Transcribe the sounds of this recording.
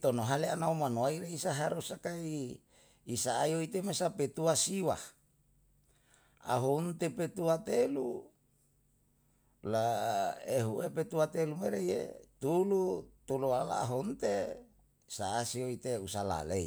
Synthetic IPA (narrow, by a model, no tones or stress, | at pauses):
t̪onoɦaleanaumanoaiɾeisaɦaɾusakaiː | saːjoit̪emesapet̪uasiwa | a̰ɦont̪epet̪uat̪elu | laeɦuʔepet̪uat̪elumeɾejḛt̪ulut̪uluala̰ːɦont̪e | saːsioit̪eusala̰lei